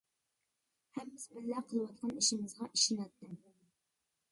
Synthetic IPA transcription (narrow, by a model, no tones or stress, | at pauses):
hɛmbɪzbɪlːæqʰəlˠwɑt̪̚qʰɑniʃɪmɨzʁɑʔiʃɪnɛt̪ːɪm